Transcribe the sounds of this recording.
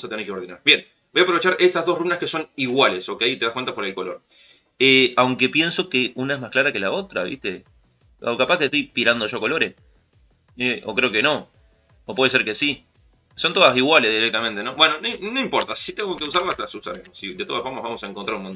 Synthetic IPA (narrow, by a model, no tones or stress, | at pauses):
sat̪eneɾkeoɾðinaɾbje̞n | bojapɾo̞βe̞t͡ʃaɾʔe̞st̪azðo̞ruβnahkeso̞niɣwale̞so̞keait̪e̞ðakwent̪apoɾelko̞lo̞ɾ | eawŋke̞pje̞nso̞keʔunae̞zmaklaɾake̞lao̞t̪ɾa̰βḭst̪e̞ | o̰kapakest̪jpiɾand̪o̞ʒo̞ko̞lo̞ɾe | eʔo̞̰kɾe̞oke̞no̞ | opwees̬eɾke̞si | so̞nt̪o̞ðasiɣwalezðiɾek̚t̪amẽnt̪e̞no̞bwe̞nononoimpo̞ɾt̪asit̪eŋɡoke̞us̬aɾlaslasusaɾemossid̪e̞t̪o̞ðasfo̞ɾmazβamo̞saeŋkont̪ɾaɾunmont̪